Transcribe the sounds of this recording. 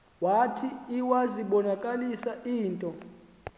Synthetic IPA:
watʰiːwaziɓɔnakʼalisaʔiːntʼɔ

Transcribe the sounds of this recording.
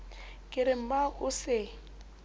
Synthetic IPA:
kʼɪɾɪm̩baʊsɪ

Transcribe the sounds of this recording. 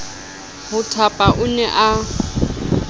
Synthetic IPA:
hʊtʰapʼaʔʊnɛʔa

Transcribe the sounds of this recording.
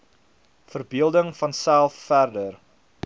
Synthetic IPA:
fərbiəlˠdəŋfɐnsælˠfːærdər

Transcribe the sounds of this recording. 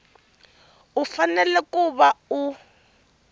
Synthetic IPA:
ufanɛlɛkʼuɓau

